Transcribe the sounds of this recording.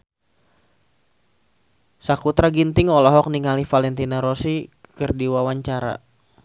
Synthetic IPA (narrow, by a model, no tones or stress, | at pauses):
sakut̪ɾaɡint̪ɪŋɔlɔɦɔk̚niŋalifalɛnt̪inaɾɔsikɨrdiwawaɲt͡ʃaɾa̰